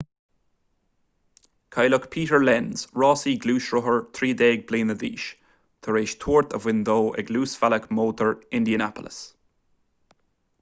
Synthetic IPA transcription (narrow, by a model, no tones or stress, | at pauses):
kʰajləkpʰiːtəɹlɛnz̥ɹɔːsiɡluːʃɹʊɦəɹt̪ʰɹiːdɛːɡ̚bleːnədḭːʃ | t̪ʰəɹeːʃt̪ʰuːɹt̪ʰəvwɪnd̪oːʔɪ̰ɡluːsvaləkmoːt̪ʰəɹɪ̃nd̪iənapə̰lə̰s